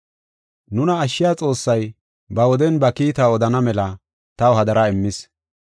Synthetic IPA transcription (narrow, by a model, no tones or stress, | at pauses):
nʊnɐːʃːɪjaːt͡sʼo̞ːsːɐj | bɐwɔd̪ɛnbɐkiːt̪aɔd̪ɐnɐmɛlɐ | t̪ɐwɦɐd̪ɐɾɐɪmːɪs